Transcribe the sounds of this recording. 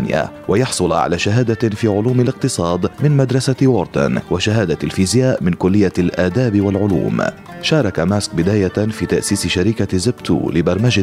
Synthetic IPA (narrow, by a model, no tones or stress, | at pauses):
nɪja̰ | wʔajɑħsˤʊlʕa̰laːʃaɦaːd̪afiːʕʊluːmɪlɪqt̪ɨsˤɑːd̪mɪnmad̪ɾˤɑsawʊɾt̪a̰nwaʃaɦaːd̪alfiːzɪjaːʔmɪnkʊlːɪjːalʔaːd̪aːbwalʕʊlṵːm | ʃɑːɾˤɑkamask̚bɪd̪aːjafiːt̪aʔsiːsɪʃaɾiːkazɪbt̪ṵːlɪbɑɾˤmaʒ